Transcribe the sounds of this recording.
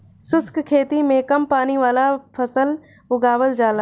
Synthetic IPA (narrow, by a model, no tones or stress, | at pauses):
sʊskkʰeːt̪imẽkɐmpaːniʋaːlapʰəsəl | ʊɡaːʋəld͡ʒaːla